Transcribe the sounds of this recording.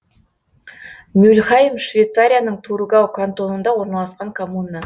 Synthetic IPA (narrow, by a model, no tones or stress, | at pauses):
nʲʉlχajəmʃvʲejt̪saɾʲijanəɴt̪ʰuɾuɡawkʰant̪o̞nənd̪ɑwo̞ɾnɑlˠɑsqɑŋkʰomunːa